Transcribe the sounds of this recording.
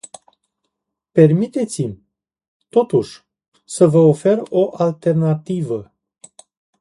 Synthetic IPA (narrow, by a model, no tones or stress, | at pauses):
pe̞rmit̪e̞t̪simʲ | t̪o̞t̪uʃʲ | səvəofe̞ro̞ʔalt̪e̞rnat̪ivə